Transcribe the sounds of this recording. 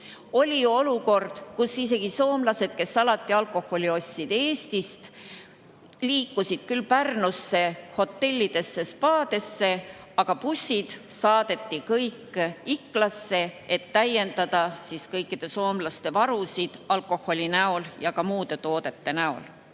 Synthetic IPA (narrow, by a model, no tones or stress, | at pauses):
o̞lʲio̞luko̞rd̪̥kusise̞ɡ̥iso̞ːmlɑse̞d̪̥̚ke̞sɑlɑt̪ːˑiɑlko̞ho̞lʲio̞sʲːid̪̥eːst̪ist̪ | liːkːusid̪̥kylːpærnusːe̞ho̞t̪ːe̞lʲːid̪̥e̞sːe̞spɑːd̪̥e̞sːe̞ɑɡ̥ɑpusʲːid̪̥ | sɑːd̪̥e̞t̪ːikɤjkːikːˑlɑsːe̞et̪ːæje̞nd̪ɑd̪̥ɑsiskɤjkːid̪̥e̞so̞ːmlɑst̪e̞vɑɾusid̪̥ɑlko̞ho̞lʲinæo̞ljɑkɑmuːd̪̥e̞t̪o̞ːd̪̥e̞t̪ːe̞næo̞̰l